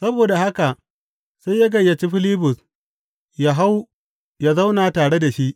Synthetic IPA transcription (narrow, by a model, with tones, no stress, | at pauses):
sɐ˦boː˨da˨ha˦ka˨ʔ | sa˦ja˦ɡɐ˨jːa˨t͡ʃi˦ɸɪ˦liː˦bʊ˨s | ja˨ɦa˦w | ja˦za˦wnaː˨taː˨ɽe˦da˨ʃi˦ʔ